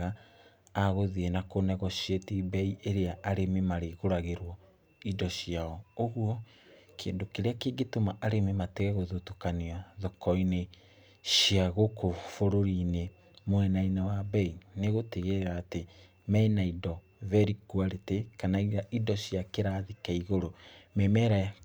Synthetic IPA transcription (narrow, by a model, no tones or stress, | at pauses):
ɣa | aɣoðienakonɛɣɔʃjetibɛiʔeɾeaʔaɾememaɾeɣoɾaɣeɾwɔ | idɔɕiaɔoɣuɔ | kʰḛːndokeɾeakeːɡetomaʔaɾememateɣɛɣoðotokaniaðɔkɔine | ʃiaɣokofoɾoɾine | mwɛnainawabɛineɣoteɣeɾaːte | mɛnaidɔ | vɛɾikwaɾetekanaiɾaʔidɔɕiakeɾaðikaiɣoɾomemɛɾa